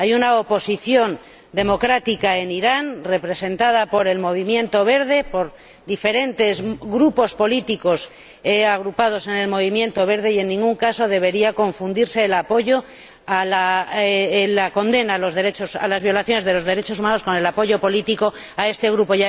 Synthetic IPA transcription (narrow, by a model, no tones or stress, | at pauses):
ajunaopo̞siθjo̞n | d̪e̞mo̞kɾat̪ikae̞niɾanre̞pɾe̞se̞nt̪að̞apo̞ɾe̞lmo̞β̞imjẽ̞nt̪o̞β̞e̞ɾð̞e̞po̞ɾ | ðife̞ɾe̞nt̪e̞zɣɾupo̞spo̞lit̪iko̞s | aɣɾupað̞o̞se̞ne̞lmo̞β̞imje̞nt̪o̞βe̞ɾð̞eie̞nːĩŋɡuŋkaso̞ð̞e̞β̞e̞ɾiako̞ɱfund̪iɾse̞ːlapo̞ʝo̞ | ala | lako̞nd̪e̞nalo̞zðe̞ɾe̞t͡ʃo̞sa̰lazβ̞jolaθjone̞zð̞e̞lo̞zðe̞ɾe̞t͡ʃo̞sumanosko̞ne̞lapo̞ʝo̞po̞lit̪iko̞ | ae̞st̪e̞ɣɾupo̞ja